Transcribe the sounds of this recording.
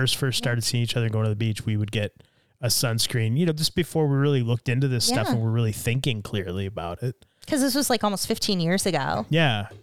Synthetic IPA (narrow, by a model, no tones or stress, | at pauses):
ɜ˞stfɜ˞ststɑɹɾɨd̥siɪ̃ŋit͡ʃʌðə˞ɡoʊɪ̃ŋtɨðəbit͡ʃwiwɨd̚ɡɛɾ | ɨsʌ̃nskɹ̥ĩnjɨnoʊd͡ʒʌsb̥ɨfɔɹwiɹɪlˠilʊk̚tɪ̃ntʉðɪstʌfə̃nwəɹɹɪlˠiθɪ̃ŋkɪ̃ŋkʰl̥ɪɹliɨbaʊɾɪt̚ | kʰʌzðɪs̬wʌzlaɪkɔlˠmoʊstfɪftʰĩnjɪɹz̥ɨɡoʊjæ